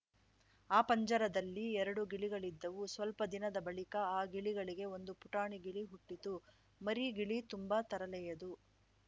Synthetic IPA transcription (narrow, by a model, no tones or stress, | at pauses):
aːpɐɲd͡ʒɐɾɐd̪ɐlːiɛɾɐɽuɡiɭiɡɐɭid̪ːɐʋusʋɐlpɐd̪inɐd̪ɐbɐɭikɐaːɡiɭiɡɐɭiɡe̞o̞nd̪upuʈaːɳiɡiɭiɦuʈːit̪u | mɐɾiɡiɭit̪umbɐt̪ɐɾɐlɛjɐd̪u